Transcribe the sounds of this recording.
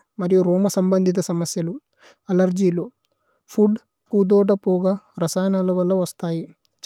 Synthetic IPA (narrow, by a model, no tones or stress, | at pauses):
mɐɾijuɾɔːmɐsɐmbɐnd̪ʱit̪̬ɐsɐmɐsjɐlu | ɐlɐɾd͡ʒiːlu | pʰuɖ | kud̪ɔːʈɐpɔːɡaɾɐsaːjnaːlɐʋɐlːɐʋɐst̪aːji